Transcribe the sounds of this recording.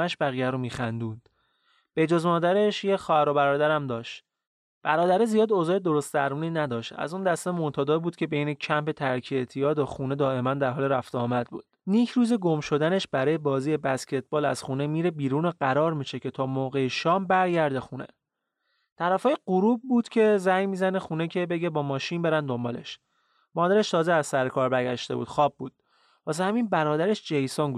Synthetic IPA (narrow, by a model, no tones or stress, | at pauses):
æʃbæɣijæɾomiːxænd̪uːnd̪̥ | b̥e̞d͡ʒozmɒːd̪æɾeʃjexɒːhæɾobæɾɒːd̪æɾæmd̪ɒːʃt̪ | b̥æɾɒːd̪æɾezijɒːd̪oːzɒːjed̪o̞ɾost̪̚d̪æɾmuːniːnæd̪ɒːʃt̪æ̰zund̪æst̪emot̪ʰɒːd̪ɒːbuːd̪̚cʰe̞bejnecʰæmpe̞t̪ʰæɾcʰiet̪ʰijɒːd̪oxuːne̞d̪ɒːʔe̞mænd̪æɾɦɒːleɾæft̪eɒːmæd̪̚bṵːd̪̥niːcʰɾuːzeɡo̞mʃo̞d̪æne̞ʃbæɾɒːjebɒːziːjebæscʲʰe̞t̪̚ʰbɒːlæ̰z̥xuːnemiːɾe̞biːɾuːnoɢæɾɒːɾmiːʃe̞cʰe̞t̪ʰɒːmoːɣejeʃɒːmbæɾɟæɾd̪e̞xunḛ | t̪ʰæɾæfɒːjeɢuɾuːbbuːd̪̥cʰe̞zæjmiːzæne̞xuːne̞cʰe̞be̞ɟebɒːmɒːʃiːnbe̞ɾænd̪o̞mbɒːle̞̰ʃ | mɒːd̪æɾe̞ʃt̪ʰɒːzeæzsæɾekʰɒːɾbæɾɟʲæʃt̪e̞bṵːd̪̥xɒːb̚ːuːd̪̥̚ | pɒːs̬ehæminbæɾɒːd̪æɾeʃd͡ʒejsɒːnɡu